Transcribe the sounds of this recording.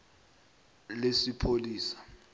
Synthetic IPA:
lesipʰoliːsḁ

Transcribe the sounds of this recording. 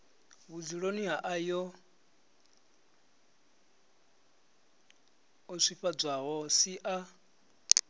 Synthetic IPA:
βud͡ziɺoniɦaʔajɔ | ɔʂʷiɸab͡ʐʷaɦɔsiʔa

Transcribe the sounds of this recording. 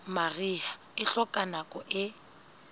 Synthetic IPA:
maria | ɪɬɔkʼanakʼɔʔɪ

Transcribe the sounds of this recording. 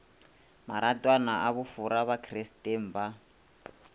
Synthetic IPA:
maɾatʼwanaʔaβufuɾaβakʰristem̩ba

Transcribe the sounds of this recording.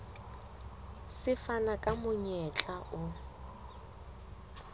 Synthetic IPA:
sɪfanakʼamʊɲɛt͡ɬʼaʔʊ

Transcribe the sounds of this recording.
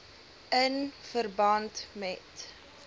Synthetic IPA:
ənfərbɐntmɛt

